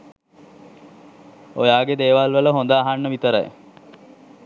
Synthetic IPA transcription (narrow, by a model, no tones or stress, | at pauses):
ojaːɡed̪eːʋalʋələɦond̪aːɦanːəʋit̪əɾə̰j